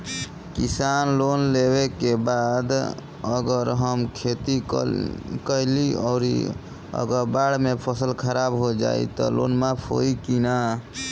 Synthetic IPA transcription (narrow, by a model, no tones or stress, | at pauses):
kisanlonlebekebad̪ | əɡəɾɦəmkʰet̪i | kəjliɔɾḭ | ə̰ɡəɾbaɽmepʰəsəlkʰəɾabɦod͡ʒa̰ḭt̪ɔ̰lo̰nmapʰo̰ikina